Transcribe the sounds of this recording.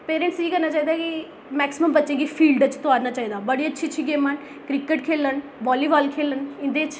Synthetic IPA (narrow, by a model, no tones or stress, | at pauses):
peːɾẽːɳʈsiːkəɾnaːt͡ʃaːiːd̪aːkɪ | mɛːksɪməmbətːʃẽːɡiːpʰiːlɖt͡ʃt̪ʊaːɾnaːt͡ʃaːiːd̪aːbəɽiːətːʃʰiːət͡ʃʰiːɡeːmən | kɾɪkəʈkʰeːlənbaːliːʋaːlkʰeːlənɪ̃nd̪eːt͡ʃ